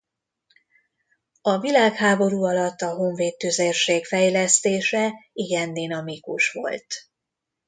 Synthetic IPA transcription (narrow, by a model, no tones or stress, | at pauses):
ɒvilaːkhaːbo̞ɾuːɒlɒt̪ːɒɦo̞ɱveːt̪ːyzeːrʃeːkfɛjlɛst̪eːʃɛiɡɛnd̪inɒmikuʃʋo̞̰lt̪